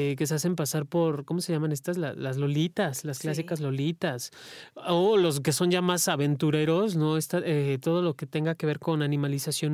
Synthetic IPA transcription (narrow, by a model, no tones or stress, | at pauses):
ke̞sease̞mpasaɾpo̞ɾko̞mo̞se̞ʝamãne̞st̪asla̰lazlo̞lit̪aslasklas̬ikazlo̞lit̪asolo̞s̬ke̞so̞nʝamasaβe̞nt̪uɾe̞ɾo̞sno̞est̪aʔet̪o̞ð̞o̞lo̞ke̞t̪e̞ŋɡake̞β̞e̞ɾko̞nanĩmalisasjo̞n